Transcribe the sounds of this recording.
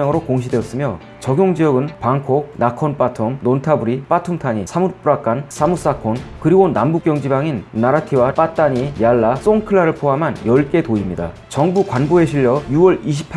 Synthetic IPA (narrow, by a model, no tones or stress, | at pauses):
ʌŋɯɾokoŋɕ̬ʰidwe̞ʌs͈ɯmjo | t͡ɕʌɡjoŋd͡ʑijʌɡɯnpaŋkʰonakʰʌnp͈atʰumnontʰabuɾip͈atʰumtʰaɲisʰamup͈uɾak͈ans͈ʰamus͈akʰonkɯɾiɡonambuk͈jʌŋd͡ʑibaŋinːaɾatʰiwap͈at̚t͈aɲijaɭːas͈oŋkʰɯɭːaɾɯɭpʰoɦamanjʌɭk͈e̞toimɲida̰ | t͡ɕʌŋbukwanboe̞ɕʰiʎːʌjuwʌɭiɕ̬ʰi̥pʰ